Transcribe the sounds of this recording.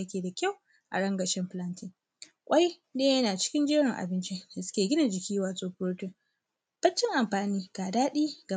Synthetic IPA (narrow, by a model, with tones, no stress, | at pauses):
a˦kʲeː˨da˨kʲa˦w | ʔa̰˨ɽɐ˦ŋɡɐ˨ʃɪ˦mɸɪ˦lɐ˦ntɪ˦ŋ | kʷʼa˦j | neː˦jɐ˦naː˨t͡ʃɪ̥˦kʲɪ˦nd͡ʒɪ˦ɽɪ˨ŋʔa̰˨bɪ˦nt͡ʃi˦da˨sʊ˦kʲeː˨ɡʲɪ˦na˨d͡ʒɪ˨kʲiː˦waː˨sʼoː˦ɸʊ˦ɽtʊ˦˨ŋ | b̥ɐ˦t͡ʃːɪ˦ŋʔa˨mɸaː˨niː˦ɡ̥aː˨daː˦ɗiː˦ɡa˨